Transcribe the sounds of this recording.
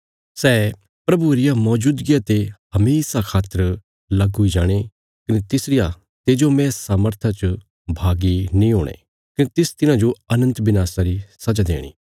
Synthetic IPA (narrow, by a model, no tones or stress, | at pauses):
sɛː | pɾɐbuɾɪjamɔːd͡ʒuːd̪ɡɪjat̪eɦɐmeːsakʰaːt̪əɾ | lɐɡɦʊid͡ʒaːɽ̃e | kɐnet̪ɪsɾɪja | t̪eːd͡ʒomɛ̃ssaːməɾt̪ʰat͡ʃə | bʱaːɡinĩɦoːɽ̃ḛ | kɐnet̪ɪst̪ɪnãd͡ʒoɐnə̃nt̪bɪnaːsaɾisɐd͡ʒad̪ḛːɽ̃ḭː